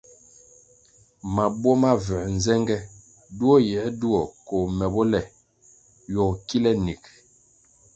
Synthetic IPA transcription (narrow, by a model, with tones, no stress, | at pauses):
ma˨bwɔ˦ma˦vɛ˨n˨zɛ˦ŋɡɛ˦ | du˦ɔ˦jɛ˨˦du˦ɔ˨ko˨mɛ˨bɔ˦lɛ˨ | jɔ˨ki˦lɛ˦ni˨k